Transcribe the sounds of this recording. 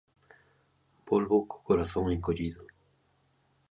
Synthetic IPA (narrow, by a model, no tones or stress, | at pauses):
bolβoko̥koɾaθoŋeŋkoʎiðo